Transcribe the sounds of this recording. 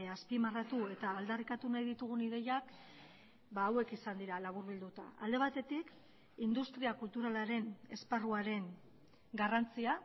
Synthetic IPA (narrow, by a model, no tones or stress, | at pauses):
aspimarat̪ue̞t̪aːld̪arikat̪unajðit̪uɣ̞uniðe̞jak | baːwe̞kisand̪iɾalaβ̞uɾβild̪ut̪a̰a̰ld̪e̞β̞at̪e̞t̪ik | ind̪ust̪ɾiakult̪uɾalaɾe̞ne̞sparuaɾe̞n | ɡarant͡sia